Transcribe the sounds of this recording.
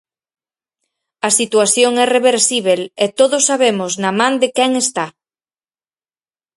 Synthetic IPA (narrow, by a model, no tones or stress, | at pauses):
ɐsit̪uaθjoŋɛreβeɾsiβ̞elet̪oðosːaβ̞emoznɐmãnd̪ɪkɛŋest̪a